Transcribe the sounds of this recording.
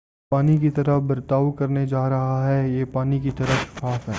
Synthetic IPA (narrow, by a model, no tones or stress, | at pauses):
paːnikit̪ɐɾəbɐɾt̪aːʋkɐɾned͡ʒaːɾɐɦaɦɛjeːpaːnikit̪ɐɾəsʰaːfɦɛː